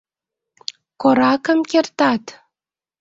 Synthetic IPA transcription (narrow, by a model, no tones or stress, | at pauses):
koɾɑkə̆mkert̪ɑt̪